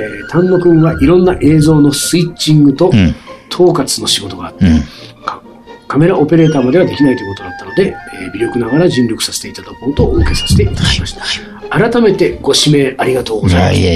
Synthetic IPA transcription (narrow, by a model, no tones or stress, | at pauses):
t̪ʰãnːo̞kɯ̟̃ŋɡaʔiɾõ̞nːaʔe̞ːzo̞ːno̞sɨit͡ɕt͡ɕːĩŋɡɯ̟t̪o̞t̪ʰo̞ːkat͡sɨno̞ɕiɡo̞t̪o̞ɡaːt̪ː | k | kʰame̞ɾaʔo̞pe̞ɾe̞ːt̪aːmad̪e̞β̞ad̪e̞kʲinait̪oikot̪od̪at̪ːano̞d̪e̞bʲiɾʲo̞kɯ̟naɡaɾaʑĩnɾʲo̞kɯ̟̥sase̥t̪eit̪ad̪akont̪oʔoːke̞sḁse̥t̪e̞it̪ad̪aimaɕi̥t̪ḁ | aɾat̪ame̞t̪e̞ɡo̞ɕime̞aɾʲiɡat̪o̞ːɡo̞zaiam